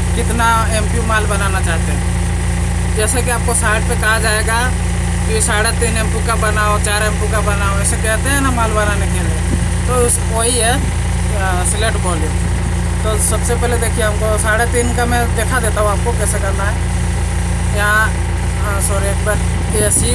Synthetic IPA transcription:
kɪt̪na | ẽːmpjumaːlbənaːnat͡ʃaːt̪eɦɛ̃ | d͡ʒɛːsek̬iaːp̚kosaːɪɖ̚pekɐɦad͡ʒaːeɡa | kiisaːɽet̪iːnẽmpikabənaːot͡ʃaːɾẽːmpikabənaːõɛːsekɛɦt̪eɦɛ̃namaːlbənaːnekeɾ | t̪os | oɦiɛ | sleːʈbɔːli | t̪osəbsepɛːled̪eːkʰieaːpkosaːɽet̪iːnkamɛ̃d̪eːkʰad̪eːt̪aɦõaːp̚kokɛːsekə̃nd̪aɦɛ̃ | jã | sɔːɾiekbəɾ | kisi

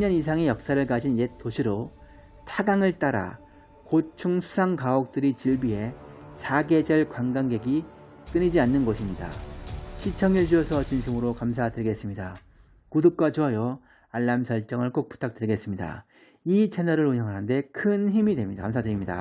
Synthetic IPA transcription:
ɲʌnisʰaŋejʌk̚s͈aɾɯɭk͈ad͡ʑinet͈oɕʰiɾo | tʰaɡaŋɯɭt͈aɾa̰ | kot͡ɕʰuŋsʰu̥sʰaŋkaok̚t͈ɯɾit͡ɕiɭbiɦe̞sʰaɡe̞d͡ʑʌɭkwaŋɡaŋɡe̞ɡi | k͈ɯɲid͡ʑianːɯnɡʌɕʰimɲida̰ɕʰit͡ɕʰʌŋed͡ʑuʌsʰʌt͡ɕinɕʰimɯɾokamsʰadɯɭiɡe̞s͈ɯmɲida̰ | kudop̚k͈wat͡ɕuʌjʌ | aɭːamsʰʌɭt͡ɕ͈ʌŋɯɭk͈ok̚p͈u̥tʰak̚t͈ɯɾiɡe̞s͈ɯmɲida̰ | it͡ɕʰe̞nʌɾɯɾuɲɦjʌŋɦanɯnde̞kʰɯnçimidwe̞mɲiakams̬ʰadɯɾimɲida̰

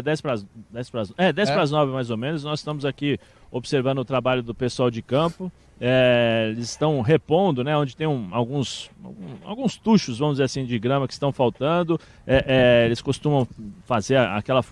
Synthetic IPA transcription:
d̪ɛspɾazd̪ɛspɾazɛd̪ɛjspɾaznɔvɪmajzomẽnʊs̬nɔzɪst̪ɐ̃mʊzaki | obɪseɾvɐ̃nd̪ʊːt̪ɾabaʎʊd̪ʊpesʊawd͡ʒɪkɐ̃pʊ | ɛelɪzɪst̪ɐ̃w̃ɦepõnd̪ʊnɛõd͡ʒɪt̪ẽj̃ũawɡũsa̰wɡũa̰wɡũst̪uʃʊzvɐ̃mʊd͡ʒɪzeɾasĩd͡ʒɪɡɾɐ̃mɐkɪ̥st̪ɐ̃w̃fawt̪ɐ̃nd̪ʊ | ɛʔɛelɪskost̪ũmɐ̃w̃fazeɾaa̰kɛlɐf

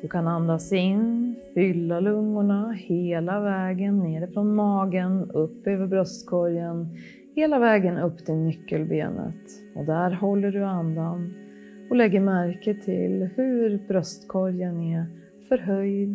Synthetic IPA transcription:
d̪̥ɵkʰanand̪asɪnːfʏlːalɵŋːʊɳaheːlavɛːɡənːeːɾɪfɾɔnmɑːɡənɵpːøːvəɾbɾœst̪kʰɔɾjən | heːlavɛːɡənɵpːt̪ʰɪlnʏkːəlbḛːnə̰t̪ | ɔd̪æɾɦɔlːəɖɵand̪an | ɔlɛɡːəɾmæɾkət̪ʰɪ̰lhɵɾbɾœst̪kʰɔɾjənɛ | fœɾɦœjd̪

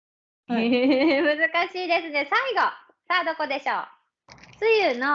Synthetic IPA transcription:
emɯ̟zɨkaɕiːd̪e̞sɨne̞saiɡo̞ | saːd̪o̞ko̞d̪e̞ɕo̰ː | t͡sɨjɯːno

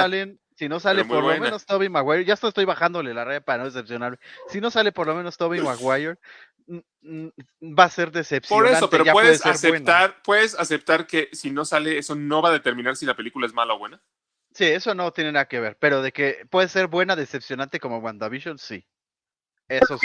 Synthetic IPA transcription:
alen | sino̞salemoɾlomẽnost̪oβimakɣwajeɾʝast̪ost̪o̞jβaxand̪o̞le̞laraðjapaɾano̞ðesepsjonaɾmesino̞sale̞po̞ɾlo̞meno̞st̪oβimakwajeɾ | base̞ɾðesepsoɾneanopeɾoʝaweðeðesseɾseent̪aɾpweðesasep̚t̪aɾkesino̞saleesono̞βaðet̪e̞ɾmĩnaɾsilape̞likulaezmalaoβwena | sie̞so̞no̞t̪je̞nenaðake̞βe̞ɾpe̞ɾo̞ðe̞ke̞pwe̞ðese̞ɾbwe̞naðe̞sepsjo̞nãnt̪e̞ko̞moɣwand̪aβiʃonsḭ | eso

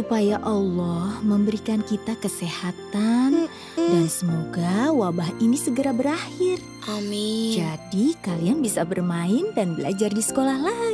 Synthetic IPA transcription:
supajaʔɑlːɔhməmbəɾikankit̪akəsehat̪an | dansəmoɡawabaɦinisəɡəɾabəɾahɪr | ʔamid͡ʒadikalianbisabərmaɪndanbəla̰d͡ʒardisə̥kolahlai

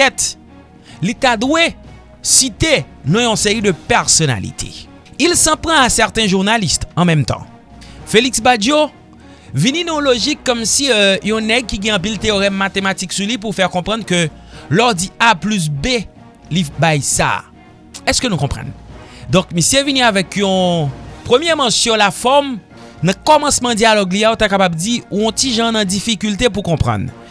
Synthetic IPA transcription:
ɛt̪ | litad̪we | sit̪e | nɔ̃jɔ̃seʁid̪əpɛʁsɔna̰lḭt̪ʰḛ | ilsɑ̃pʁɑ̃asɛʁt̪ɛ̃ʒuʁnalist̪ɑ̃mɛ̃mt̪ɑ̰̃ | feliksbad͡ʒjo | vininɔ̃loʒikːɔmsiøjɔ̃nɛɡ̚kiɡɛ̃ɑ̃p̬ilt̪eoʁɛmːat̪emat̪iksulip̬uʁfɛʁkɔ̃pʁɑ̃d̪kø | lɔdiaplys̬be | libajsa̰ | ɛskənũkɔ̃pʁɐ̰̃nd̪ɔ̃kmisjevinĩavɛkjɔ̃pʁəmjɛmãsjɔ̃lafɔʁm | nɐ̃kɔmɐ̃smɐ̃d͡zjalɔɡliaot̪akapabd͡ziuɔ̃tiʒãnɐ̃d͡zifikylt̪ep̬ukɔ̃pʁɐ̰̃n

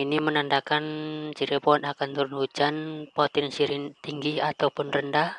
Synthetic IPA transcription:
inimənandakant͡ʃiɾipɔɔnakant̪uɾʊnhud͡ʒanpɔt̪ɪnsiɾit̪iŋɡihat̪awpʊnrəndah

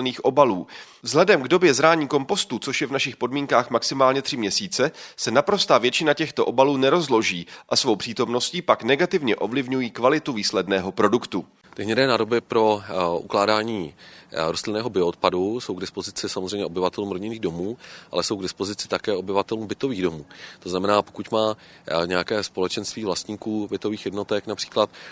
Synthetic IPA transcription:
niːxʔo̞baluː | vzɦlɛdɛmɡdo̞bjɛzɾaːɲiːko̞mpo̞st̪ut͡soʃjɛvnaʃɪxpo̞dmiːŋkaːxmaksɪmaːlɲɛt̪r̝̥ɪmɲɛsiːt͡sɛsɛnapɾo̞st̪aːvjɛt͡ʃɪnacɛxt̪o̞ʔo̞baluːnɛɾo̞zlo̞ʒiːʔasvo̞wpr̥iːt̪o̞mno̞sciːpaknɛɡat̪ɪvɲɛʔo̞vlɪvɲujiːkvalɪt̪uviːslɛdnɛːɦo̞pɾo̞dukt̪u | t̪ɪɦɲɛdɛːnaːdo̞bɪpɾo̞ʔuklaːdaːɲiːɾost̪lɪnɛːɦobɪoot̪̚paduso̞wɡdɪspo̞zɪt͡sɪsamozrɛjmɲɛʔobɪvat̪ɛluːmɾo̞ɟɪniːɣdo̞muːʔa̰lɛsowɡdɪspozɪt͡sɪ̥t̪akɛːo̞bɪvat̪ɛluːmbɪt̪o̞viːɣdo̞muːt̪oznamɛnaːpokucmaː | ɲɛakɛːspo̞lɛt͡ʃɛnst̪viːvlast̪ɲiːkuːbɪt̪o̞viːxjɛdno̞t̪ɛknapr̥i̥ːklat̪

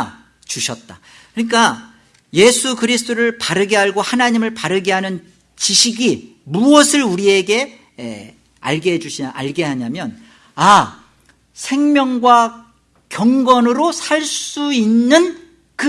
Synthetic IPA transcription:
t͡ɕuɕʰʌt̚t͈a | kɯɲik͈a | je̞sʰukɯɾisʰɯ̥t͈ʰoɾɯɭpaɾɯɡeɦaɭɡohanaɲimɯɭpaɾɯɡeɦanɯn | t͡ɕiɕʰiɡi | muʌsʰɯɾuɾie̞ɡe̞̰ | a̰ɭɡeɦed͡ʑuɕʰiʔa̰ɭɡe̞ɦaɲamjʌn | a | sʰe̞ŋmjʌŋɡwa | kjʌŋɡʌnɯɾosʰaɭss͈uinːɯn | kɯ

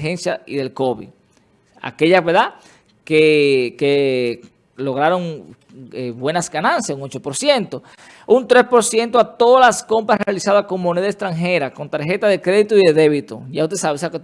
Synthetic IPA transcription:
hensjaiðe̞lko̞βḭ | a̰ke̞ʎasβeɾða | keke | lo̞ɣ̞ɾaɾo̞ŋ | eβwe̞nasɡanãnsjasuŋot͡ʃo̞po̞ɾsje̞nt̪o̞ | unt̪ɾe̞spo̞ɾsje̞nt̪oat̪o̞ðolasko̞mpɾasrealisaðasko̞ŋmo̞neðaekst̪ɾaŋɦe̞ɾako̞nt̪aɾxe̞t̪aðe̞kɾe̞ðit̪oiðe̞ðe̞βit̪o̰ʝaust̪esaβesake

